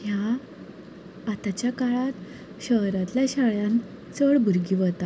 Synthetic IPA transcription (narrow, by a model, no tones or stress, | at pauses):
ɦja | at̪at͡ɕjakaɭat̪ | ɕəɦɾãt̪ljaɕaɭjãn | t͡səɭbʱuɾɡiʋət̪a